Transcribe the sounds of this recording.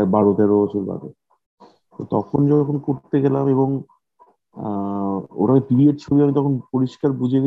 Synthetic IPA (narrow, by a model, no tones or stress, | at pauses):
baɾot̪eɾoot͡ɕʰulba̰be | t̪ot̪ɔkʰond͡ʑɔkʰonkoɾt̪eɡelameβoŋ | o̰ʈakepibieʈt͡ɕʰobiamit̪ɔkʰonpoɾiʃkaɾbud͡ʑʱeɡ